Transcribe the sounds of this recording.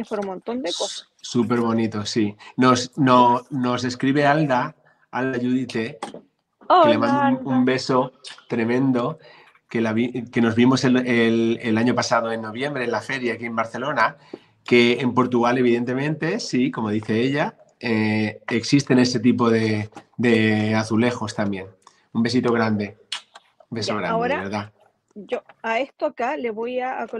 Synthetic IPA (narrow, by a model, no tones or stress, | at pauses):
efeɾumõnt̪ond̪ekosḁ | supe̞ɾβo̞nit̪osinosnono̞se̞skɾiβe̞ald̪a | a̰ld̪aʝuðit̪e̞ | lemaumumbe̞so̞t̪ɾe̞mẽ̞nd̪o̞ | ke̞laβike̞no̞zβimo̞seelelaɲo̞pasaðoenːo̞β̞je̞mbɾe̞nlafe̞ɾjaakie̞mbaɾθe̞lo̞na | ke̞ːmpo̞ɾt̪uɣale̞β̞iðe̞nt̪e̞mẽnt̪e̞siko̞mo̞ðiθe̞eʎa | eeksist̪e̞ne̞se̞t̪̬ip̬o̞ðe̞d̪e̞aθule̞xo̞st̪ambjẽ̞n | umbe̞s̬it̪o̞ɣɾand̪e̞ | mbesoɣɾanoɾaβeɾða | oaest̪okaleβoja̰ːk